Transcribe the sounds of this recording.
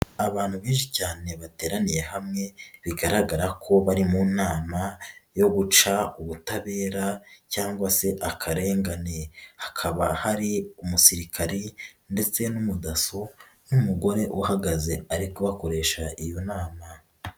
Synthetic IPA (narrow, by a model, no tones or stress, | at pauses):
aβaːn̥huβiːnʃicaːne̞βate̞ːɾanije̞hamŋe̞βiɡaɾaɡaɾakʰo̞βaɾimunaːmajo̞ɡut͡ʃauβutaβe̞ːɾacaːŋɡwase̞ʔakʰaɾe̞ːŋɡane̞hḁkʰaβahaɾiumusiɾikʰaɾinde̞t͡se̞numudaso̞ | numuɡo̞ɾe̞ʔuhaɡaze̞aɾikoβako̞ɾe̞ːʃaʔijo̞naːma